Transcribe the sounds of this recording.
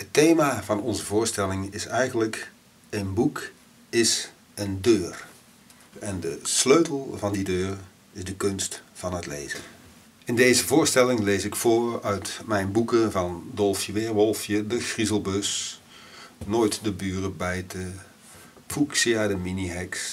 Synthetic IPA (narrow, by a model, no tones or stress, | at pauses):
ɦətejmavɑnɔnzəvʊːɹstɛlɪŋɪsɛjχənlək | ənbuk | ɪs | əndøːr | ɛndəsløɥtəl̩ˠvɑndidøːr | ɪzdəkɵnstfɑnɦətlḛjzə | ɪndejzəvʊːɹstɛlɪŋlejsɪkfʊːɹœɥtmɛjnbukəvɑndɔlˠfjəʋɪːɹʋɔlˠfjədəxrizəlˠbɵs | noːjtdəbyːrəbɛjtə | pʰuksiaːdəminiɦɛks